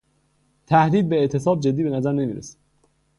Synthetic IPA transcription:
t̪ʰæhd̪iːd̪̚beeʔt̪ʰe̞sɒːb̚d͡ʒe̞d̪ːiːbe̞næzæɾne̞miːɾḛsæ̥d̪

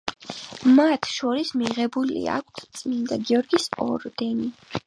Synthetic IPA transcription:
mat̪ʰʃɔɾismiʁɛbulḭa̰kʷʰt̪ʰt̪sʼmind̪aɡiɔɾɡisɔɾd̪ɛni

